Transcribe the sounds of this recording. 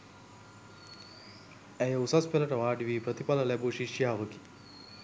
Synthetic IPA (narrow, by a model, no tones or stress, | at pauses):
æjɐusɐspelɐʈɐʋaːɖiʋiːpɾət̪ipalɐlɛbuʃiʃjaɦɐʋəki̥